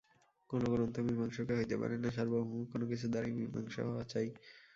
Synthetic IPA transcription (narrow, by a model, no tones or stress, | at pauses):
konokonont̪omiɾbʱaŋʃokeɦoeeba̰ɾenːaʃaɾboɦũkonok̬it͡ɕʰud̪aɾimiɾma̰ŋʃo̰ɦɔoat͡ɕaj